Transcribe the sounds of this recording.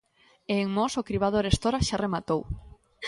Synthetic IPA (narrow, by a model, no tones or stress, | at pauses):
eːŋmɔsokɾiβ̞aðoɾest̪oɾaʃaremat̪ow